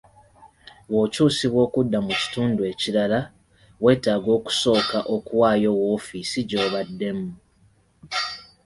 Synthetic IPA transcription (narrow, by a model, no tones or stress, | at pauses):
βo̞ːcuːsiβwo̞ːkudːamuci̥tuːndue̞ciɾala | βwe̞ːtaːɡo̞ːku̥so̞ːkaʔo̞kuwaːjo̞wo̞ːfisiɟo̞ːβadːe̞mu